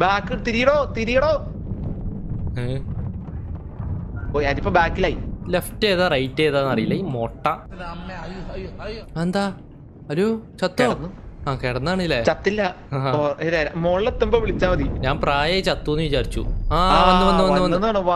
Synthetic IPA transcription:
baːkːɨt̪iɾijɐɽoːt̪iɾijɐɽoː | e | oːɐðipːoːbaːkːilaːilefʈːeːðɐrɐjtːeðaːnːɐrijilːɐimoʈːɐ | end̪aː | ɐloːt͡ɕɐt̪ːoɐaːkeɽɐnːaːɳilːet͡ɕɐt̪ːilːɐ | aoʔeðeɾamoɭːet̪ːumboʋiɭit͡ɕːaːmɐðiɲaːnpraːjɐt͡ɕɐt̪ːunːɨʋit͡ɕaːɾit͡ɕːṵaːoːuʋɐːuʋɐnːuʋɐnnːaːɳoʋa

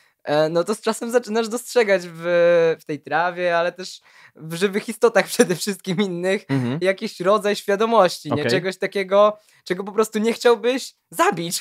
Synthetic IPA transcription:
nɔt̪ɔst͡ʂasɛmzat͡ʂɘnaʐd̪ɔstʂɛɡad͡ʑvft̪ɛjt̪ɾavʲjɛalɛt̪ɛʂ | vʐɘvɘxist̪ɔt̪axpʂɛd̪ɛfʂɘst̪̚kʲiminːɘxjakʲiɕɾɔd̪zajɕfʲjad̪ɔmɔɕt͡ɕiɲɛt͡ʂɛɡɔɕt̪akʲɛɡɔ | t͡ʂɛɡɔpɔpɾɔst̪uɲɛxt͡ɕawbɘɕ | zabʲit͡ɕ

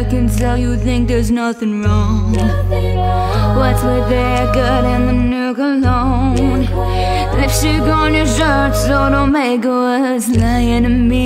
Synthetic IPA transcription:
kɨ̃ntɛlˠjɨθɪ̃ŋk̚ðə˞znʌθɪ̃ŋɹɔ̃ŋŋ | wʌtswɪðe | ɡɑɾɪ̃nðɨnʉkəloʊ | ŋ | ɪfʃɨɡoɨ̃njəʃɜ˞tsoʊɾõʊ̃nmeɪko | ʌ | zlaɪɪ̃nɨmi

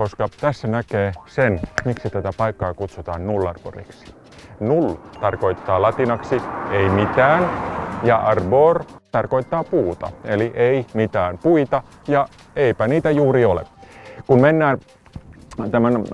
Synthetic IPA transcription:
koskɑt̪æsːænækeːsenmiksit̪æt̪æpɑikːɑːkut̪sut̪ɑːnnulːɑrb̥o̰rḭksi̥ | nult̪ɑrkoit̪ːɑːlɑt̪inɑksieimit̪æːnjɑʔɑrboːrt̪ɑrkoit̪ːɑːpuːt̪ɑ̰eliʔeimit̪æːnpuit̪ɑ | jɑ | eipæniːt̪æjuːriolḛkunmenːæːn | t̪æmæn

